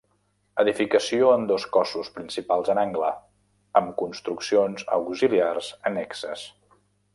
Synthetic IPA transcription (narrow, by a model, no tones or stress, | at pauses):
əðifikəsioənd̪oskɔsuspɾinsipalˠzənaŋɡlə | əmkunst̪ɾuksionzəwkziliarzənɛksəs